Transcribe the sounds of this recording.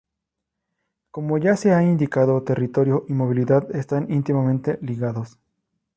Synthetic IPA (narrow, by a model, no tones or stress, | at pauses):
ko̞mo̞ʝase̞aind̪ikaðo̞t̪e̞rit̪o̞ɾjo̞ʔimo̞βiliðaðest̪anint̪imamẽ̞nt̪eliɣaðo̞s